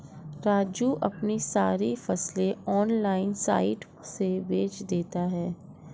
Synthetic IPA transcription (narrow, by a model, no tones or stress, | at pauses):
ɾaːd͡ʒuʔɐpnisaːɾifɐsleɔːnlaːɪnsa̰ːɪʈ | sebeːt͡ʃd̪eːt̪aɦɛː